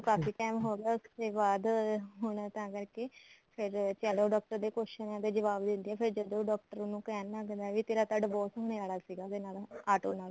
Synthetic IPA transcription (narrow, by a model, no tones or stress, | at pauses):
okaːfiːkɛːmɦoːɡaːʊst̪eːbaːd̪ɦʊɳt̪ãːkəɾkeːpʰɪɾt͡ʃaːlõːɖɔːk̚ʈəɾd̪eːkoʃənãːt̪eːd͡ʒəʋaːbd̪ɪ̃nd̪iɛːpʰɪɾd͡ʒəd̪õːɖɔːk̚ʈəɾʊnũːkɛːnnãːkɛ̃ːnd̪aːʋiːt̪eːɾaːt̪əɖbɔːsɦoːneːaːlaːsiːɡaːk̪eːnaːlaːʈoːnaːl